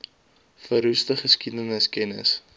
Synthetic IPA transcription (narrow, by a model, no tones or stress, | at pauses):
fəɾustəχəskidənəskɛnə̰s